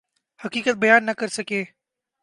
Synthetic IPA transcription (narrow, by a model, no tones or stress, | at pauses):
hɐkiːkət̪̚bɐjaːnːɐkɐɾsɐkeː